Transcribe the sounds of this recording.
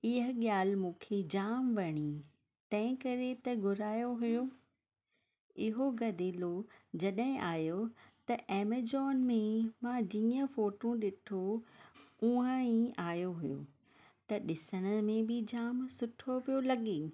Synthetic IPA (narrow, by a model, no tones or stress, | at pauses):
ɪɦəɠjaːlmũːkʰed͡ʑaːmʋɐɽ̃i | t̪ɐ̃ɦɪ̃kɐɾet̪ɐɡʱʊɾaːjoɦʊjo | ɪɦoɡɐd̪ʱeːlod͡ʑɐɗɦɪ̃ʔaːjot̪ɐʔeːmed͡ʑɔːnmẽmãd͡ʑiːə̃foːʈũɗɪʈʰo | ũə̃ĩaːjoɦʊjo̰ | t̪ɐɗɪsəɽ̃ə̆mẽbɪd͡ʑaːmsʊʈʰopijolɐɠeː